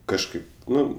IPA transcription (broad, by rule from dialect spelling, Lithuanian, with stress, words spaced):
kɐʃˈkɐɪp ˈnʊ